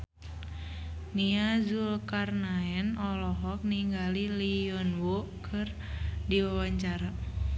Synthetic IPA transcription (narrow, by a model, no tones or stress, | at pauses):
niazulkarnaɛnɔlɔɦɔk̚niŋɡaliliɔnwokʰɨr | diwawaɲt͡ʃaɾa